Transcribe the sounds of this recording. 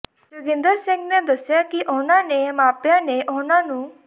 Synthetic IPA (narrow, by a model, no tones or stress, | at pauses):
d͡ʒʊɡɪ̃nd̪əɾsɪ̃ŋɡned̪əsjakiʔonãnemaːpjãneʔonãnũ